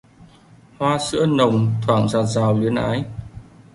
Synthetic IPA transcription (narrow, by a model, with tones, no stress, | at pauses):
hwaː˧sɨ̰˧˥ənə˨˩wŋ͡mt̪ʰwaː˧˩ŋzaː˨˩t̚zaː˨˩wli˨˦ənʔaː˨˦j